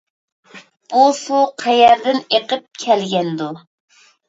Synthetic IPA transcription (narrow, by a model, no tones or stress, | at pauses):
usuqʰæjɛɾd̪ɪneqəp̚kʲʰɛlɡʲɛnd̪u